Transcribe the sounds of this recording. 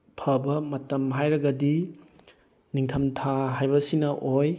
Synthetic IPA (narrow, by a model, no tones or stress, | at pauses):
pʰɐbɐmɐtɐmɦajɾɐɡɐdi | niŋtʰɐmtʰaɦajbɐsinɐʔoj